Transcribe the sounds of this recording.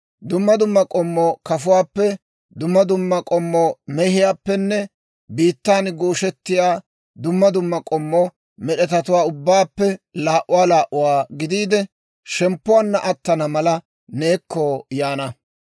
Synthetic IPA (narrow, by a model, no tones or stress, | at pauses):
d̪ʊmːɐd̪ʊmːɐkʼɔmːɔkɐfʊwaːpːɛ | d̪ʊmːɐd̪ʊmːɐkʼɔmːɔmɛhɪjaːpːɛnːɛ | biːt̪ːaːnɡuːʃɛt̪ːɪjaː | d̪ʊmːɐd̪ʊmːɐkʼɔmːɔ | mɛɗɛt̪ɐt̪ʊwaːʊbːaːpːɛlaːʔʊwaːlaːʔʊwaːɡɪd̪iːd̪ɛ | ʃɛmpːʊwaːnːɐʔɐt̪ːɐnɐmɐlɐ | neːkːɔjaːnɐ